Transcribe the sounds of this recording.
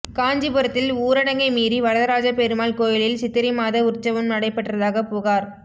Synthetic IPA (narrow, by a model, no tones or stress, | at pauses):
kaːɲd͡ʒipɯɾɐt̪ːɪluːɾɐɽɐŋɡɐɪmiːɾiʋɐɾɐðɐɾaːd͡ʒɐpɛɾɯmaːlkoːjɪlɪlsɪt̪ːɪɾimaːðɐʊrt͡ʃːɐʋɐmnɐɽɐɪpːɐʈːrɐðaːɣɐpʊːɣaːɾ